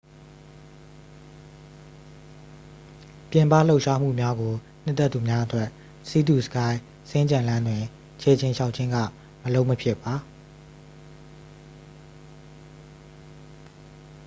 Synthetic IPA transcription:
pjɪ̃˨mpa̰˦˨lo˦ʊʔʃa˦m̥ṵ˦˨mja˦ɡo˨ | n̥ɪ˦t̪ːɛ˦t̪ːu˨mja˦ʔət̪wɛ˦ʔ | si˦d̪u˨sə̥˨ka˦ɪ | sɪ̃˦ɲt͡ɕɪ̰̃˨lã˦ndwɪ̃˨ | t͡ɕʰɛ˨t͡ɕʰɪ̃˨ʃa˦ʊʔt͡ɕʰɪ̃˦ŋɡä̰˦˨ | məlõ˦ʊʔməpʰjɪ˦ʔpːa˨

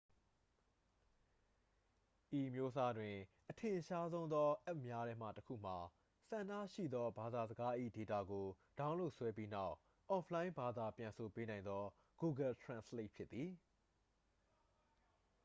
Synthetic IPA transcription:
ʔi˨əmjo˦sa˦dwɪ̃˨ʔətʰɪ̃˨ʃa˦zõ˦ʊ̃nd̪ɔ˦ʔɛ˦ʔ̚mja˦ɾɛ˦m̥ä̰˦˨təkʰṵ˦˨m̥a˨ | sã˨nda̰˦˨ʃḭ˦˨d̪ɔ˦ba˨d̪a˨zəɡa˦ʔḭ˦˨de˨ta̰˦˨ɡo˨ | d̥ã˦ʊ̃lo˦˨ʔswɛ˦p̬ji˦na˦ʊʔ | ʔɔ˨pʰlã˦ɪ̃mba˨d̪a˨pjã˨nso˨pe˦nã˨ɪ̃nd̪ɔ˦ | ɡ̥u˨ɡɛ˨ltʰɹã˨nsle˦˨ʔ̚pʰjɪ˦t̪ːi˨

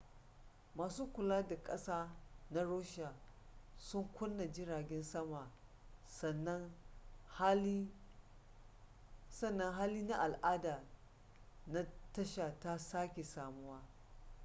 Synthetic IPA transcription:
maː˨suː˦kʷʊ˨laː˦da˨kʼɐ˦saː˦na˦ɽoː˦ʃa˨sʊ˦ŋkʷʊ˦nːa˨d͡ʒɪ˦ɾaː˨ɡʲɛ˦nsɐ˦ma˨sɐ˨nːɐ˦ŋh | sɐ˦˨nːɐ˦ŋɦaː˦liː˦na˦ʔa˨lʔaː˦daː˨ | na˦tɐ˦ʃa˨ta˦saː˦kʲe˨saː˨mu˦waː˦

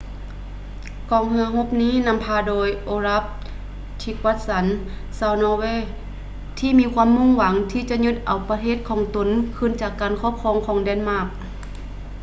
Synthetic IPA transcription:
kɔː˨˧ŋhɯ˧ɐɦo˧˥p̚niː˥˨na˧˨mpʰaː˧doː˧jʔoː˧ɾa˧˥p̚ | t̪ʰi˧kwa˧˥t̪̚sa˨˦n | sa˧˩wnɔː˧weː˧˥˨ | t̪ʰiː˧˥˨miː˧˥˧kʰwaː˧˨mːu˧˥˨ŋwa˨˩˦ŋt̪ʰiː˧˨t͡ɕa˧˦ʔɲu˧˩t̪̚ʔa˨˩wpa˧t̪ʰeː˧˥˨t̪̚kʰɔː˨˦ŋt̪o˧˦nkʰɯ˧˥˨nt͡ɕaː˨˩kːaː˨nkʰɔ˧˥˨p̚kʰɔː˧˨ŋkʰɔː˨˦ŋdɛː˧˥˨nmaː˧˩k̚

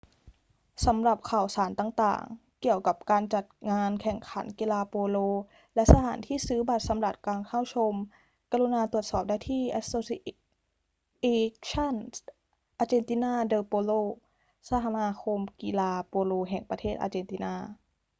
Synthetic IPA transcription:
sa˩˦mɾa˨˩p̚kʰa˨˩wsaː˩˦nt̪aː˨˩ŋt̪a̰ː˨˩ŋ | ki˨˩əwka˨˩p̚kaː˧nt͡ɕa˨˩t̪̚ŋaː˧nkʰɛ˨˩ŋkʰa̰˩˦nkiː˧laː˧poː˧loː˧ | lɛ˦˥ʔsa˧aː˩˦nt̪ʰiː˥˩sɯː˦˥ba˨˩t̪̚sa˩˦mɾa˨˩t̪̚kaː˧nkʰa˥˩wt͡ɕʰo˧m | ka˧ɾu˧naː˧t̪ɾu˨˩ə˩t̪̚sɔː˨˩p̚daː˥˩t̪ʰiː˥˩ʔa˧soː˧si˧ | ʔe˧t͡ɕʰa˥˨n | ʔaː˧t͡ɕeː˧nt̪i˧naː˥˩dɤː˧poː˧loː˧˩ | sa˧˥hʰa˧maː˧kʰo˧mki˧laː˧poː˧loː˧ɦɛ˨˩ŋpa˧t̪ʰeː˥˩t̪̚ʔa̰ː˧t͡ɕeː˧nt̪iː˧naː˧˥˩

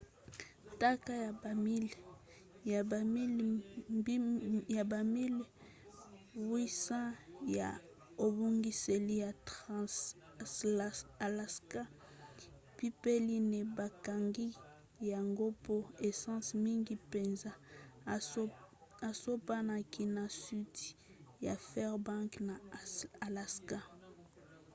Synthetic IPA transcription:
ta˦ka˦ja˨ba˨mi˦l | a˨˦ | ja˨ba˨mi˦l | wi˦sã˦ja̰˨ | o˨bo˦ŋɡi˦se˨li˦ja˨ts | a˨la˨ska˦ | pi˦pe˦li˦ne˨ba˨ka˨ŋɡi˦ | ja˨ŋɡo˦po˦e˨sɑ̃˦smi˦ŋɡi˦pe˨nza˦ | a˨so˦pa˦na˨kʰi˨na˨su˦ti̥˨ja˨fɛ˦ʁbã˦ŋkna˨a˨la˨ska˦

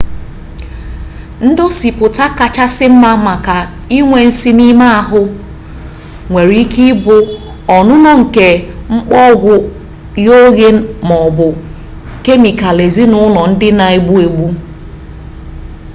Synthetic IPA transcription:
n̩˦dɔ˦si˨pʊ˨ta˦ka˨t͡ʃa˦sɪ˦m̩˦ma˦ma˨ka˨ | i˦ŋʷe˨n̩˦si˦ni˦ma˦a˨ɦʊ˦ | ŋʷe˨ɾi˦ki˦bʊ˨ | ɔ˨nʊ˦nɔ˦ŋ̩˨ke˨ŋ͡m̩˦k͡pɔ˦ɡʷʊ˦ | jo˦ɣe˦mɔ˨bʊ˨ | ke˦mi˨ka˨le˨zi˦nʊ˦nɔ˨n̩˦dɪ˦na˨e˨ɡ͡bu˦e˨ɡ͡bu˦

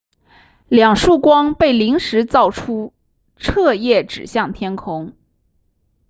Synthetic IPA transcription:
ljɑ˨˩ŋʂu˥˩kwɑ˥ŋpe˥˩ɪli˧˥ŋʂɻ̩˧˥t͡sɑ˥˩ʊʈ͡ʂʰu˥ | ʈ͡ʂʰɤ˥˧jɛ˥˩ʈ͡ʂɻ̩˨˩ɕjɑ˥˩ŋt̪ʰjɛ˥nkʰʊ˧˥ŋ

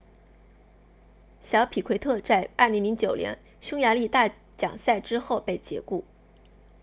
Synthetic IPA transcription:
ɕjɑ˧˥ʊpʰi˨˩kʰwe˧˥ɪt̪ʰɤ˥˧t͡sa˥˧ɪa̰˞˥˩li˧˥ŋli˧˥ŋt͡ɕjo˨˩ʊljɛ̰˧˥n | ɕjʊ˥ŋja˧˥li˥˧t̪a˥˩ | t͡ɕjɑ̰˨˩ŋsa˥˩ɪʈ͡ʂɻ̩˥xo˥˧ʊpe˥˩ɪt͡ɕjɛ̰˧˥ku˥˩

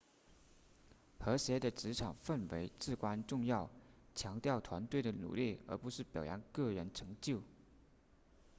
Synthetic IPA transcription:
xɤ˧˥ɕjɛ˧˥d̪ə˨ʈ͡ʂɻ̩˧˥ʈ͡ʂʰɑ˨˩ŋfə˥˩nwḛ˧˥ɪt͡sɹ̩˥˩kwa˥nʈ͡ʂʊ˥˧ŋjɑ˥˩ʊt͡ɕʰjɑ˧˥ŋt̪jɑ˥˩ʊt̪ʰwa˧˥nt̪we˥˩ɪd̪ə˩nṵ˨˩li˥˩ə̰˞˧˥pu˧˥ʂɻ̩˥˩pjɑ̰˨˩ʊja˧˥nkɤ˥˩ɻə˧˥nʈ͡ʂʰɤ˧˥ŋt͡ɕjo˥˩ʊ

